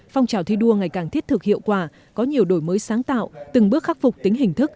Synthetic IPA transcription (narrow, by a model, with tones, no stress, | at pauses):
fɔ˧wŋ͡mt͡ɕaː˨˩wt̪ʰi˧ɗu˧əŋa˨˩jkaː˨˩ŋt̪ʰi˦˥ət̚t̪ʰɨ˨˩k̚hḭ˧˨əwkwaː˧˩ | kɔ˨˦ɲi˨˩əwɗo˧˩jməː˨˦jsaː˨˦ŋt̪a̰ː˧˨wt̪ɨ˨˩ŋɓɨ˦˥ək̚xaː˦˥t̚fʊ˨˩k͡p̚t̪ï˨˦ŋ̟ɦï˨˩ŋ̟t̪ʰɨ˦˥k̚